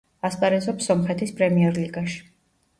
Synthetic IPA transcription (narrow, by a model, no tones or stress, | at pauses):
aspʼaɾɛzɔpsɔmχɛt̪ʰispʼɾɛmiɛɾliɡaʃi̥